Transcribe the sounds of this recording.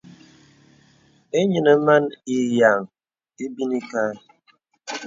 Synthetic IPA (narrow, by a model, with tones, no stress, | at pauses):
e˦ɲɨ˨nə˨˦ma˦ni˨ja˨ŋ | e˦bi˦ni˦ka˦